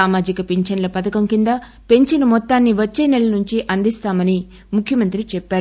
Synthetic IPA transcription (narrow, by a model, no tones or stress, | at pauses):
aːmaːd͡ʒikɐpeɲt͡ʃɐnɐlɐpɐt̪ɐkɐmkind̪ɐ | pe̞ɲt͡ʃɐnɐmɔt̪ːaːnːiʋɐt͡ʃːeːnɛlːɐnuɲt͡ʃiʔɐnd̪ist̪aːmɐni | mukʰjɐmɐnt̪ɾit͡ʃɛpːaːɾu